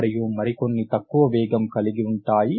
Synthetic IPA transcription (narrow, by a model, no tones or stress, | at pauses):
ɾɛjuːmɐɾikonːit̪ɐkːuʋɐʋɛːɡɐmkɐliɡiuɳʈaːji